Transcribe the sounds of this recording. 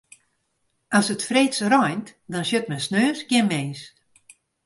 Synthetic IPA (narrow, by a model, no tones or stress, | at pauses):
ʔɔsətfreːsrɔjntdɔnsjət̚mɛnsnøːsɡjɪnmeːs